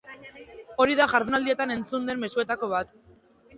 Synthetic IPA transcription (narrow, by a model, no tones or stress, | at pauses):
o̞ɾiðaʝaɾðunald̪ie̞t̪ane̞nt͡sund̪e̞mːe̞sue̞t̪ako̞β̞at̪